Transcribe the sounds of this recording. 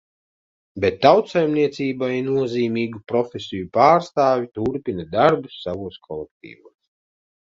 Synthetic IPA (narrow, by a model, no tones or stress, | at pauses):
bet̪ːawt̪sajmniɛt̪siːbajinuɔziːmiːɡupɾɔfʲesʲijupaːɾst̪aːvʲit̪uɾpʲinad̪aɾbusːavuɔskʰɔlˠɛk̚t̪ḭːvuɔs